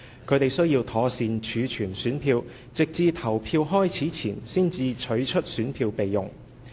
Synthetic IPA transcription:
kʰɵ˨˧ɥt̪e˨jsɵ˥ɥjiː˧wt̪ʰɔː˨˧siː˨nt͡ʃʰyː˨˧t͡ʃʰyː˨˩nsyː˨˥npʰiː˧w | t͡sɪ˨k̚t͡siː˧t̪ʰɐ˨˩wpʰiː˧wɦɔː˥jt͡sʰiː˨˥t͡sʰḭː˨˩nsiː˥nt͡siː˧t͡ʃʰɵ˨˥ɥt͡ʃʰɵ˥t̚syː˨˥npʰiː˧wpe˨jːʊ̰˨ŋ

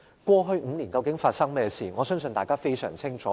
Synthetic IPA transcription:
kʷɔː˧ɦɵ˧ɥŋ̩˨˧˦niː˨˩nkɐ˧wkɪ˨˥ŋfaː˧t̚sɐ˥ŋmɛː˥siː˨˩ŋɔː˨˧sœː˥ŋsɵ˧nt̪aː˨˩kaː˥fe˥jsœ̰ː˨˩ŋt͡sʰɪ˥ŋt͡ʃʰɔː˨˦

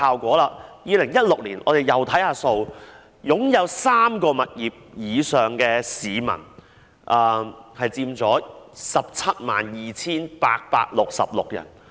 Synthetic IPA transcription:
haː˨wkʷɔː˨˥laː˧jiː˨˧lɪ˨˩ŋjɐ˥t̚lʊ˨k̚liː˨˩nʔɔ̰ː˨˧d̪e˨˩jɐ˨˩wt̪ʰɐ˨˥jhaː˧so˧w | jʊ˨˥ŋjɐ˨˧wsaː˥mkɔː˧mɐ˨t̚jiː˨˩p̚jiː˨˧sœː˨˩ŋkɛː˧siː˨˧mɐ̰˨˩n | ʔɐː˨˧hɐ˨jt͡siː˧mt͡sɔː˨˥sɐ˨p̚t͡sʰɐ˥t̚ma̰ː˨˩njiː˨˩t͡sʰiː˥npaː˧k̚pa̰ː˧k̚lʊ˨k̚sɐ̰˨p̚lʊ˨k̚jɐ̰˨˩n

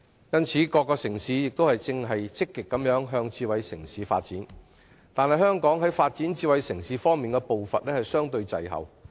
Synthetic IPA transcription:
jɐ˥nt͡sʰiː˨˥kɔː˧kːɔː˧sɪ˨˩ŋsiː˨˥jɪ˨k̚t̪o˥whɐ˨jt͡sɪ˧ŋɦɐ˨jt͡sɪ˥kːɪ˨kːɐ˨˥mjœː˨˥ŋɦœː˧ŋt͡siː˧wɐ˨˧jsɪ˨˩ŋsiː˨˥fa̰ː˧t̚t͡siː˨˥n | t̪aː˨nhɐ˨jhœː˥ŋkɔː˨˥ŋɦɐ˨˥jfaː˧t̚t͡siː˨˥nt͡siː˧wɐ˨˥jsɪ˨˩ŋsiː˨˧fɔː˥ŋmiː˨nkɛ˧po˨wfɐ̰˨t̚lɛː˥hɐ˨jsœː˥ŋt̪ɵ˧ɥt͡sɐ̰˨jɦɐ̰˨w

